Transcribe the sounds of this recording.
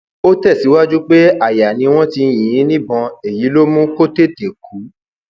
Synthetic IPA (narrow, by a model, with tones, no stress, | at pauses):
o˦tɛ˦˨si˨˦wa˦d͡ʒu˦k͡pe˦a˦˨ja˨nĩ˧w̃ɔ̃˦ti˧j̃ĩ˨ĩ˨˦nĩ˦bɔ̃˧e˨ji˨˦lo˦mũ˦ko˦te˦˨te˨kʰu˨˦